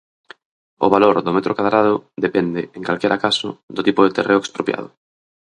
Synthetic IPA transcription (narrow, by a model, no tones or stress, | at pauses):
ʊ̰βaloɾðʊmet̪ɾokaðɾað̞ʊðepɛnd̪ɪeŋkalkɛɾʔakasʊ̰d̪ʊt̪ipʊðet̪ereokspɾopja̰ð̞ʊ̰